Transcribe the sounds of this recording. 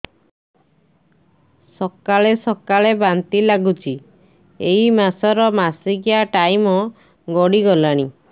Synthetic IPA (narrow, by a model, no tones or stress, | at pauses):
sɔkaɭesɔkaɭebant̪ilaɡut͡ʃʰi | eimasɔɾɔmasiɡijaʈajmɔ | ɡɔɽiɡɔlaɽ̃i